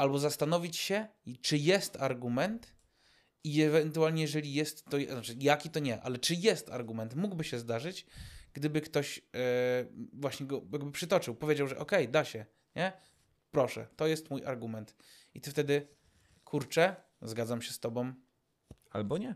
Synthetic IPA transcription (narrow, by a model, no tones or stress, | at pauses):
albɔzast̪anɔvʲit͡ɕɕɛt͡ʂɘjɛst̪aɾɡumɛnt̪ | iɛvɛnt̪ualɲɛjɛʐɛlʲijɛst̪ːɔjzat͡ʂɘjakʲit̪ɔɲɛʔa̰lɛt͡ʂɘjɛst̪a̰ɾɡumɛnt̪muɡbɘɕɛzd̪aʐɘt͡ɕɡ̥d̪ɘbɘkt̪ɔɕ | vwaɕɲɛɡɔjaɡbɘpʂɘt̪ɔt͡ʂɘwpɔvʲed͡ʑawʐɛ̰ʔɔkɛjd̪aɕɛ | ɲɛ | pɾɔʂɛ̰t̪ɔjɛst̪mujʔa̰ɾɡumɛnt̪ | it̪ɘft̪ɛd̪ɘ | kʰuɾt͡ʂɛ | zɡad̪zamɕɛst̪ɔbɔm | a̰lbɔɲɛ